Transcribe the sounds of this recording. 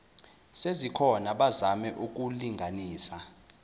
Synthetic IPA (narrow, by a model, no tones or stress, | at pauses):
sezikʰɔnaɓazamɛʔuk̬uliŋɡʱaniːsa